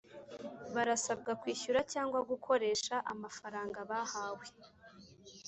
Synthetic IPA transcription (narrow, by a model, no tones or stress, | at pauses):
βaɾasab̚ɡakwiːçuɾacaːŋɡwaɡukʰo̞ɾe̞ːʃaʔamafaɾaːŋɡaβahaːwe